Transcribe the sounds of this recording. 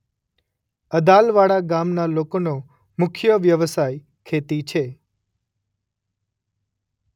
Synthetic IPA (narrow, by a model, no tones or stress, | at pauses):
əd̪alʋaɽaɡamnalokono | mʊkʰjəʋjəʋəsaj | kʰet̪it͡ʃʰe